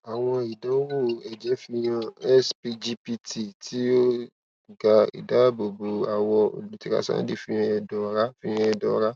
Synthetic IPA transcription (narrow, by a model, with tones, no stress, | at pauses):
a˨w̃ɔ̃˧i˨dɔ˨˦wo˦˨ɛ˨d͡ʒɛ˨˦fi˧j̃ã˧ɛ˦spi˧d͡ʒi˧pi˧ti˨tʰi˦o˦ | ɡa˧ḭ˨da˨˦bo˨bo˨˦a˨wɔ˧o̰˨lu˨˦ti˦ka̰˦˧˦sã̰˦di˦˨fĩ˧ɾ̃ã˧ɛ˧dɔ˨˦ɾa˦fĩ˦˧ɾ̃ã˧ɛ˧dɔ˨˦ɾa˦